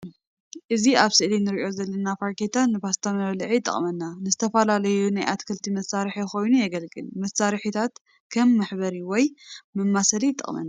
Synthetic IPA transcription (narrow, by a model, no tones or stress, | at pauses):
ʔɨziaβsɨʔlinɨɾiʔo̞zɐlːɐnafaɾkʰet̪ʰaːɨbast̪ʰɐmɐβlʕit̪ʼːɨ̰χʼmɐnːanɨzɨt̪ʰɐfɐlalɐjunajʔat̪kʰɨlt̪ʰimɐsaɾɨħiko̞jnujɛɡɐlɡɨ̰lmɐsaɾħit̪ʰat̪ | kʰɐmːɨħβɐɾiwɔjmɨmːasɐlit̪ʼːɨ̰χʼmɐ̰nːa